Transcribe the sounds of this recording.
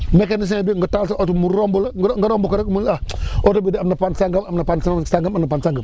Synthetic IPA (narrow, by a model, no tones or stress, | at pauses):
mekenis̬ẽbiŋɡətalsʔotumuɾombulaŋɡəɾombokaɾakmulaotobidiamnapansaŋɡamamnapansasaŋɡamanapansaŋɡəm